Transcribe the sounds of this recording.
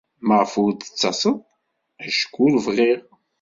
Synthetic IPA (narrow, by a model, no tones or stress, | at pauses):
məʁfʊɾd̪ə̥t͡sːɑsˤəðˤ | æʃkːulvʁiʁ